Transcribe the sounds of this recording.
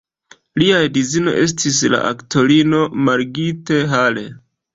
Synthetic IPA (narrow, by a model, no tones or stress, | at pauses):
liajdizino̞̰ʔe̞s̬tʰis̬la̰ʔa̰kto̞ɾino̞maɾɡite̞ɦale̞̰